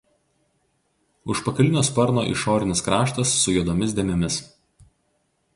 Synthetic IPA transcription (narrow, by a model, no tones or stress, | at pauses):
ʊʃpɐkɐlʲɪnʲoːspɐɾno̰ːʔḭʃoːɾʲɪnʲɪskɾɑːʃt̪ɐsːʊjud̪oːmʲɪs̬d̪ʲeːmʲɛmʲɪs